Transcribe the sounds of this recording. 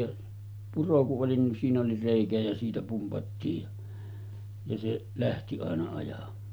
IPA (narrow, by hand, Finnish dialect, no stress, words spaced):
jɑ puro kuʔ ʔoli nin siːn oli reˑikæ jæ siːtæ pumpɑtːiːj jɑ jɑ seʔ læhti ɑˑenɑ ɑjɑmˑɑː